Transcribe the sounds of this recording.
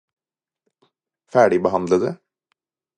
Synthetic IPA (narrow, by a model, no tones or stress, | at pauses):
fæːɖɪbəɦɑnd̪ləd̪ɛ